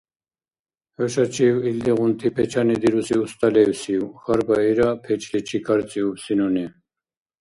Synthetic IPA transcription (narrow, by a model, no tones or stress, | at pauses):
hɔʃat͡ʃʰiwild̪iʁunt̪ʰipʰɛt͡ʃʰanid̪iɾusiust̪ʼalɛusiwχaɾbaiɾapʰɛt͡ʃʰlɛt͡ʃʰikʰaɾt͡sʼiupsinuni